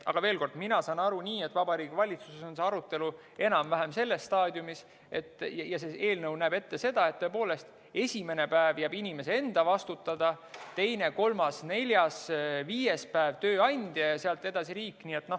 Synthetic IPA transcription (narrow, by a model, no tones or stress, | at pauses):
ɑ̰ɡ̥ɑve̞ːlko̞rd̪̥minɑsɑːnɑɾunʲiːe̞t̪ːˑvɑbɑɾiːɡ̥vɑlʲit̪suseso̞nse̞ɑɾut̪ːˑe̞lu | e̞nɑmvæɦemse̞lːesːt̪ɑːd̪̥ʲjumis | e̞t̪ːˑjjɑsee̞ːlnɤwnæːbe̞t̪ːe̞se̞d̪̥ɑe̞t̪t̪ːoe̞p̬o̞ːle̞st̪ | e̞sʲime̞nepæevjæbinʲime̞see̞nd̪̥ɑvɑst̪ut̪ːˑɑd̪̥ɑt̪e̞jne̞ko̞lmɑsne̞lʲjɑsviːje̞spæevt̪ø̞ːɑnʲd̪̥jɑjɑseɑlt̪ːˑe̞d̪̥ɑsiɾiːkːˑniːe̞t̪ːˑno